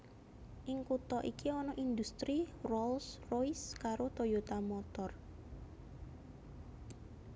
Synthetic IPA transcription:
ʔɪŋkut̪ɔʔikiɔnɔʔind̪ust̪ɾirɔlsrojskaɾot̪ojot̪amɔt̪ɔr

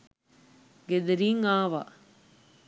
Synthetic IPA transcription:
ɡed̪eɾiːŋaːʋa̰

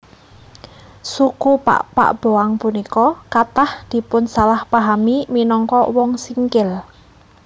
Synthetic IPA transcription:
sukupa̰ʔpa̰ʔb̥oaŋpunikɔkat̪ahd̪̥i̤pʊnsalahpaɦamiminɔŋkɔwɔŋsiŋkɪl

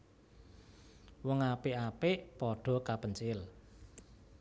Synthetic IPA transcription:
wɔŋapeʔapeʔpɔɖ̥ɔ̤kapənt͡ʃɪl

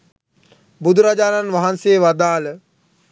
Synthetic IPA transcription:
bud̪ʱuɾad͡ʒaːnanʋaɦanseːʋad̪aːlə

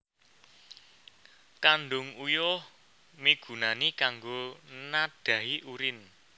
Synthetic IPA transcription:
kanɖʊŋujʊh | miɡ̥ṳnanikaŋɡonad̪̥ä̤ɦiʔuɾɪn

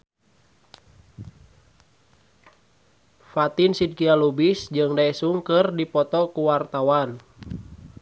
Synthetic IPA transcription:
fat̪insid̚kialubisd͡ʒɨŋdaɛsuŋkɨrdipɔt̪ɔkuwart̪awan

